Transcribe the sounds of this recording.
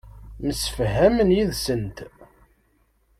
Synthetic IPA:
məsə̥fɦæmənjiðsənt̪

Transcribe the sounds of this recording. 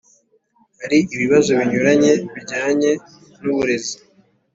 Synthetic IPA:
haɾiiβiβazo̞βiɲuɾaɲe̞βiɟaːɲe̞ | nuβuɾe̞zi

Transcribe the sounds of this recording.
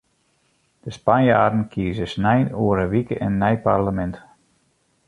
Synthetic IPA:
d̥əspanjaːdn̩kʰiəzəsnɛjnuəɾəʋikəɛnːɛjparləmɛnt

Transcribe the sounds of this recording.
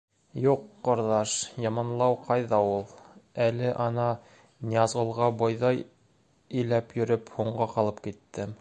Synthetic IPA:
juqːŏɾðɑʃjɑmɑnlˠɑwqɑjðɑulˠælɘʔɑnɑ | nʲjɑzʁɤ̆lˠʁɑbojðɑj | ɘ̆læpjɵ̆ɾɵphuɴɢɑqɑlˠɤpkit̪ːɘm

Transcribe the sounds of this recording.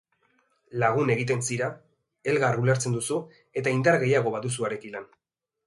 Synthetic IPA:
laɣ̞une̞ɣit̪̬e̞nsiɾa | e̞lɣarulaɾt͡se̞nd̪usu | e̞t̪aind̪aɾɣe̞jaɣ̞o̞βaðus̬uaɾe̞kilan

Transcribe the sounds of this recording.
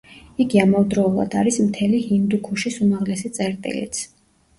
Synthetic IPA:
iɡiamavd̪ɾɔulˠa̰d̪aɾismt̪ʰɛlihind̪ukʰuʃisumaʁlɛsit̪sʼɛɾt̪ʼḭlḭt̪sʰ

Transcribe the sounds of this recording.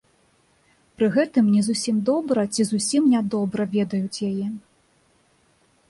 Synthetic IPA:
pɾɨɣɛt̪ɨmnʲɛzusʲimd̪ɔbɾɐt͡sʲizusʲimnʲad̪ɔbɾɐvʲɛd̪ɐjut͡sʲjajɛ

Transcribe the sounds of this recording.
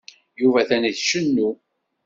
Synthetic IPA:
juvæθæniðʃənːu

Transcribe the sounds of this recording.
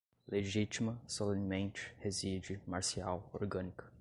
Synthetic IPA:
leʒit͡ʃimɐsolẽnmẽnt͡ʃɪ̥hezid͡ʒɪmaɾsiawoɾɡɐ̃nikɐ̥

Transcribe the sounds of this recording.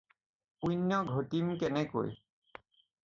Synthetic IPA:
ujnːɔɡʱotimkɛnɛko̰j

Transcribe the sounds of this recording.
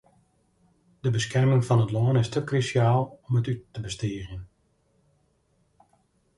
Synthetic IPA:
d̥əbəskɛrmɪŋfɑnətloːnɪstʰəkrysjaːlˠɔmətytːəbəstiəɣjən

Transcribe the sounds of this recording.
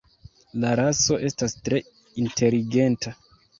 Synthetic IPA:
laɾaso̞ʔe̞stastɾe̞ | intʰe̞liɡe̞nta

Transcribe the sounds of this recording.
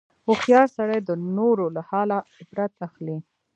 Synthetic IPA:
ʊxjɑɾsaɽajd̪ənoɾolahɑlaʊbɾat̪axli

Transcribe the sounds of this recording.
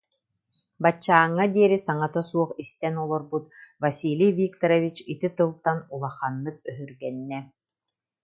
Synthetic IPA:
bat͡ɕːaːŋːad̪iɛɾisaŋat̪asuɔχist̪ɛnulˠɔɾbut̪vasʲiːlʲijvikt̪ɔɾɔvit͡ɕit̪it̪ɯlˠt̪anulˠaχanːɯk̚œɦyɾɡɛnːɛ

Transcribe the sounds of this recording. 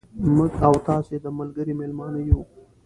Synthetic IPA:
mʊɡawt̪ɑsed̪əmalɡəɾimelmɑnəjo

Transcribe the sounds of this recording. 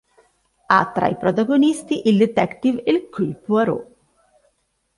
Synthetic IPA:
a̰t̪ɾa̰ipɾot̪aɡonist̪iʔild̪et̪ɛkt̪ivilkʰupwaɾo̰

